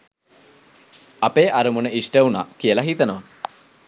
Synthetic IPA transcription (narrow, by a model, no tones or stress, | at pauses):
apeːʔaɾumunəʔisʈeuna̰kijəlaɦit̪ənəʋa